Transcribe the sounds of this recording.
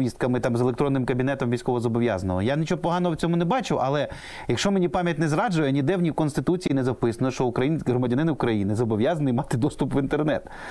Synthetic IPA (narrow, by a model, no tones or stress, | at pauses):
ʋʲist̪̚kɐmɪt̪ɑmzelˠekt̪ɾɔnːɪmkɐbʲinɛt̪ɔmʋʲijsʲkɔʋɔzɔbɔʋʲjɑ̰zɐnɐ̰lˠɐjanʲɪt͡ʃɔɔpɔɦɑnɔɦɔwt͡sʲɔmʊnɛbɑt͡ʃɪwʔɐlˠɛ | jɐkʃt͡ʃɔmenʲipɑmʲjɐtʲnɛzɾɑd͡ʒʊjɛnʲid̪ɛwnʲiwkɔnst̪ɪt̪ut͡sʲijinɛzɐwpɪsɐnɔʃt͡ʃɔʊkɾɐjinʲɦɾɔmɐdʲɐnɪnɪʊkɾɐjinɪzɔbɔʋʲjɑzɐnɪimɑt̪ɪd̪ɔst̪ʊpʋint̪ernɛ̰t̪